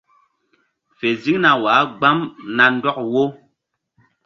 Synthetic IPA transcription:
fe˨zi˦ŋna˨waː˨˦ɡ͡ba˦mna˨n̩˦dɔ˦k̚wo˦

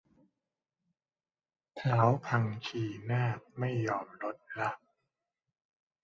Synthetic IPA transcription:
t̪ʰaː˩˦wpʰa˧ŋt͡ɕʰiː˧˩naː˥˩p̚ma˥˩jːɔː˧mɾo˦˥t̪̚la˦˥p̚

